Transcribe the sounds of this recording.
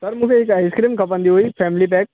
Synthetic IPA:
sɐɾmʊkʰeɪkaːɪskɾiːmkɐpə̃nd̪iɦoːipʰɛːmɪlip̬ɛːk̚

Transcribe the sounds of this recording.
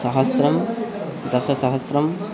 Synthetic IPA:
sɐɦɐsɾɐm | d̪ɐsɐsɐɦɐsɾɐm

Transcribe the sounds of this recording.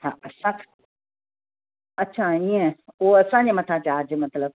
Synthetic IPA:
haɐsãk | ɐtːɕʰaĩẽuoɐsãɲd͡ʑemɐt̪ʰat͡ɕaːd͡ʑmɐt̪ləb̚

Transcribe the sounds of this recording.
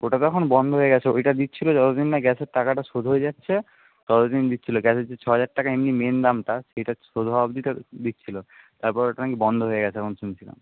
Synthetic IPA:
oʈat̪ɔkʰonbɔnd̪ʱoɦoeɡɛt͡ɕʰeojʈad̪it̪ːt͡ɕʰilod͡ʑɔt̪od̪inːaɡɛseɾʈakaʈaʃod̪ʱɦoed͡ʑatːɕʰe | t̪ɔt̪od̪ind̪itːt͡ɕʰiloɡɛsed͡ʑet͡ɕʰɔɦad͡ʑaɾ̚ʈːakaemnimend̪amʈaʃejʈaʃod̪ʱɔbabd̪ited̪it̪ːt͡ɕʰilot̪aɾpɔɾoʈanakibɔnd̪ʱoɦoeɡɛt͡ɕʰeɛkʰonʃunt͡ɕʰila̰m

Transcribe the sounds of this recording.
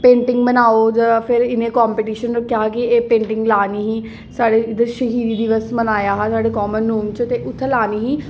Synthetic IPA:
pẽːɳʈɪŋɡmənaːoːd͡ʒəapʰɪɾɪnẽːkɔːmpeʈiːʃənokɪaːkɪeːpẽːɳʈɪŋɡlaːniːɦiː | saːɽeːɪd̪əʃəɦiːd̪iːd̪iʋəsmənaːjaːɦasaːɖeːkɔːmənːuːmt͡ʃt̪eːʔʊt̪ʰːelaːniːɦiː

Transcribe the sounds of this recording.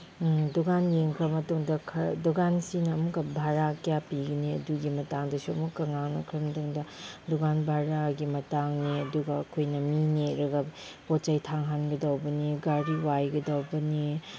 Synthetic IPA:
duɡanjeŋkʰɾɐmɐtuŋdɐkʰɐduɡansinɐːmukɐbʱaɾakjapiɡɐniɐ̰duɡimɐtaŋdɐsuɐmukːɐŋaŋnɐ̰kʰɾɐmɐtuŋdɐduɡanbʱaɾaɡimɐtaŋniɐduɡɐːkʰojnɐmineɾɐɡɐ | pott͡ʃɐjtʰaŋɦanɡɐdawbɐniɡaɾiwajɡɐdawbɐni

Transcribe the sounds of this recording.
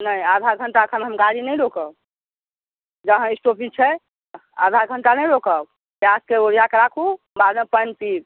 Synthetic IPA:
nəjad̪ʱaɾɡʱəɳʈaəkʰənɦəmɡaɾinəjɾokəb | d͡ʒəɦə̃isʈopʰĩt͡ʃʰɛ | a̰d̪ʱaɾɡʱəɳʈanəjɾokəb | bjaskeoɾijakeɾakʰu | baɾnə̃pənpiɾ

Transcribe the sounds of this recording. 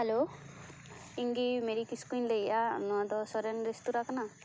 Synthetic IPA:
helo | iŋɡimeɾikiskinlejaɔ̰nuad̪ɔsɔɾenɾestuɾakana

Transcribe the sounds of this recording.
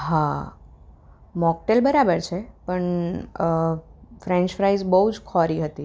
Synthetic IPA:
ɦa | mɔk̚ʈelbəɾabəɾt͡ʃʰepəɳ | fɾẽɲt͡ʃfɾaizbəɦud͡ʒkʰɔɾiɦət̪i

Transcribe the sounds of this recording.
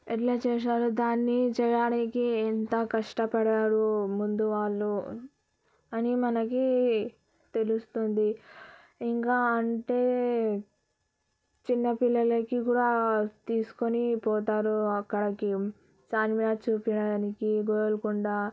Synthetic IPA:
eʈlɐt͡ʃɛːʂ̬aːɾud̪aːnːit͡ʃɛjaːnikiɛnt̪ɐkɐʂʈɐpɐɽaːɾumund̪uʋaːɭːu | ɐnimɐnɐki | t̪e̞lust̪ond̪i | iŋkaːɐɳʈe̞ː | t͡ʃinːɐpilːɐlɐkikuːɽaːt̪iːsu̥konipɔːt̪̬aːɾuɐkːɐɽɐki | t͡ʃaːnmilaːt͡ʃuːpiɽaːnikiɡojlkuɳɖaː

